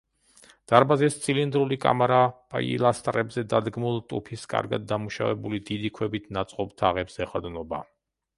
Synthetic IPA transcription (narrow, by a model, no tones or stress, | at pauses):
d̪̥aɾbazɛst̪sʰilind̪ɾulikʼa̰maɾapʼa̰ḭlˠast̪ʼɾɛbzɛd̪ad̪ɡmulˠt̪ʼupʰiskʼa̰ɾɡa̰d̪̚ːamuʃa̰vɛ̰bulid̪id̪ikʰwɛbit̪ʰnat̪sʼqʼɔpt̪ʰaʁɛbz̥ɛχad̪nɔba